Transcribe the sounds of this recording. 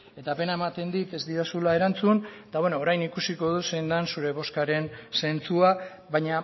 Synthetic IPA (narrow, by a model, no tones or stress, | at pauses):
e̞t̪ape̞nae̞mat̪e̞nd̪it̪e̞zd̪iɾasulae̞ɾant͡sunt̪awenoːɾajnikusiko̞ð̞use̞jnd̪ansuɾe̞β̞o̞skaɾe̞nse̞nt͡sua | βajɲa